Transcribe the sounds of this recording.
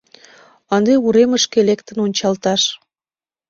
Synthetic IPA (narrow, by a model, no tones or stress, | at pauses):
ɑnd̪euɾeməʃkelekt̪ənonʲt͡ɕɑlt̪ɑʃ